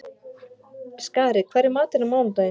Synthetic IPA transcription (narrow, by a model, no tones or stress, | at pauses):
skaːɾɪkʰvaːɾɪmaːt̪ɪnʏmoːwnt̪a